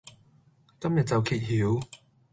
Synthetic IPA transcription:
kɐ˥mjɐ˨˩t̚t͡sɐ˨˧wkʰiː˨˩t̚hi˨˦w

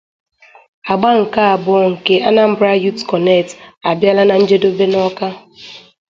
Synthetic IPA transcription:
a˨ɡ͡ba˦ŋ̩˨ka˦a˨bʊ˨ɔ˦ŋ̩˨ke˦a˦na˦m̩˦bɾa˦ju˦tkɔ˨ne˦˨ta˨bja˦la˦na˨n̩˦d͡ʒe˦do˦be˦nɔ˦ka˦

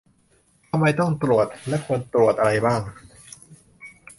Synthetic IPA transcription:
t̪ʰa˧mːa˥˧jt̪ɔ˥˩ŋt̪ɾu˨˩ət̪̚lɛ˦˥kʰu˧ənt̪ɾu˨˩t̪̚ʔa˧ɾa˧jbaː˥˩ŋ

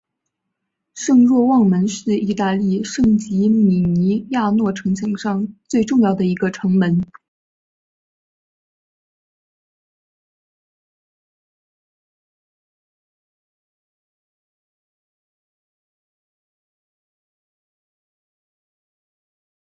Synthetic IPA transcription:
ʂɤ˥˧ŋɻwɔ˥˧wɑ˥˩ŋmə˧˥nʂɻ̩˥˩˧i˥˧t̪a˥˧li˥˧ʂɤ˥˩ŋt͡ɕi˧˥mi˨˩ni˧˥ja˥˧nwɔ˥˩ʈ͡ʂʰɤ˧˥ŋɕʰjɑ˨˧˩ŋʂɑ˥˧ŋt͡swe˥˧ɪʈ͡ʂʊ˥˧ŋjɑ˥˩ʊd̪ə˩i˧˥ɡə˧ʈ͡ʂʰɤ˧˥ŋmə˧˥n

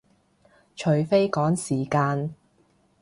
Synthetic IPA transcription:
t͡ʃʰɵ˨ɥfe˥jkɔː˨˥ŋsiː˨˩kaː˧n

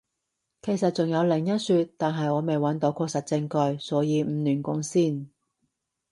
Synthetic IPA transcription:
kʰe˨˩jsɐ˨t̚t͡sʊ˨ŋjɐ˨˧wlɪ˨˩ŋjɐ˥t̚syː˧t̚t̪aː˨nɦɐ˨jɔː˨˧me˨jwɐ˨˥nt̪o˨˥wkʰɔː˧ksɐ˨t̚t͡sɪ˧ŋkɵ˧ɥsɔː˨˥jiː˨˧m̩ː˨˧nyː˨˩nkʊ˧˥ŋsiː˥˩n

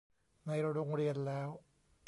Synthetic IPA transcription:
na˧jɾa˧ɾo˧ŋɾi˧ənlɛː˦˥w

